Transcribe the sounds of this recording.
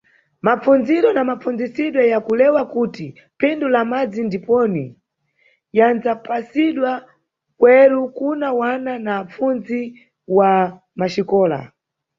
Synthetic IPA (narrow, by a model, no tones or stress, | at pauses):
map͡fund͡ziɾɔnamapfund͡zisiɗwɔjakulɛwakuti | pʰɛndulamad͡zindipɔni | janzapasiɗwa | kwɛɾukunawananaːp͡fund͡zzi | wa | maʃikɔːla̰